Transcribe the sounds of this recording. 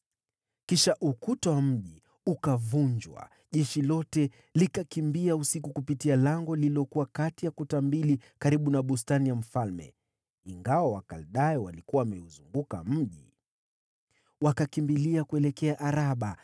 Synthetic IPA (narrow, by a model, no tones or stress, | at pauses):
kiʃaʔukutawam̩ʄi | ukavuɲd͡ʒwa̰ | ʄɛʃilɔtɛ | likakimbiausikukupitialaŋɡɔliliɔkuwakatijakutambilikaɾiɓunaɓus̬tanijam̩falmɛ̰ | iŋɡawawakalɗajɔwalikuwawmɛuzuŋɡuka̰m̩ʄi | wakakimbiliakuɛlɛkɛaʔaɾaɓa